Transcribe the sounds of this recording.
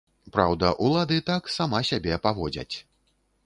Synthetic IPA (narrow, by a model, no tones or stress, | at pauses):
pɾa̰wd̪ɐʔulˠad̪ɨt̪aksamasʲabʲɛpavɔd͡zʲɐ̰t͡sʲ